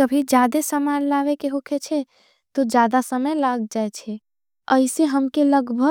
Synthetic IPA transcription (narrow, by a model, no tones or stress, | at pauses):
kəbʱid͡ʒad̪esəmanlaʋekeɦokʰet͡ʃʰɛ | t̪od͡ʒjad̪asəməjlaɡd͡ʒaɛt͡ʃʰɛ | əɪseɦəmkeləɡbʱə